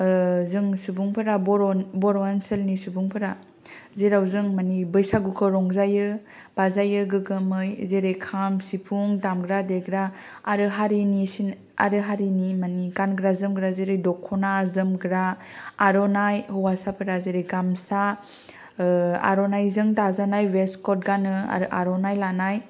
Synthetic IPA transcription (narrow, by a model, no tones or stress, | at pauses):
zɯŋsubuŋpʰɯɾabɔɾɔnbɔɾɔansɯlnisubuŋpʰɯɾa | zeɾawzɯŋmanibɯjsaɡukʰɯɾɔŋzajɯ | b̥azajɯɡɯɡɯmɯjzeɾekʰamsipʰuŋdamɡɾadeɡɾaː | ɾɯɦaɾinisin | a̰ɾɯɦaɾinimanikanɡɾazɯmɡɾazeɾɯjdɔkʰːɔnazɯmɡɾaːɾɔnajhɯwasapʰɯɾazeɾeɡamsa | a̰ɾɔnajzɯŋtazanajweskɔt̚ɡanɯa̰ɾʔaɾɔnajlanaj